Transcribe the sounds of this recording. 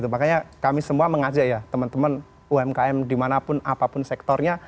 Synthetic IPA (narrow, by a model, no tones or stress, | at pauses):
t̪umakaɲakamisəmuaməŋad͡ʒaʔjat̪əmənt̪əmən | uɛmkaɛmdimanapʊnapapʊnsɛk̚t̪ɔrɲa